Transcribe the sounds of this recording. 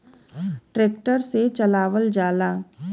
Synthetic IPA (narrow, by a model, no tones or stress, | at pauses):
ʈɾeːkʈəɾset͡ʃɐlaːʋəld͡ʒaːlaː